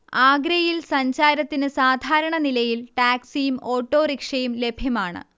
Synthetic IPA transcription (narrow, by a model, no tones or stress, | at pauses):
aːɡɾɐjilsɐɲd͡ʑaːɾɐt̪ːinɨsaːd̪ʱaːɾɐɳɐnilɐjilʈaːksijumo̞ːʈːoːrikʂɐjumle̞bʱjɐmaːɳɨ̰